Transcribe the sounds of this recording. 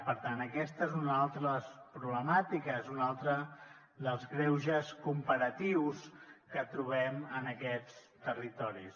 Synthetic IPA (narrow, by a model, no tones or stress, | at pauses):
pəɾt̪anəkɛst̪əezunalˠt̪ɾəðəspɾuβləmat̪ikəzunalˠt̪ɾə | ðəlˠzɣɾɛwʒəskumpəɾət̪iwskət̪ɾuβɛmənəkɛt͡s | t̪ərit̪ɔɾis